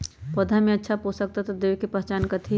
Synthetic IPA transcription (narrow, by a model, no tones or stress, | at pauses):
pəd̪ʱamẽətːʃʰaposək̚t̪at̪ɔd̪eʋkepəɦt͡ʃaːnkət̪ʰi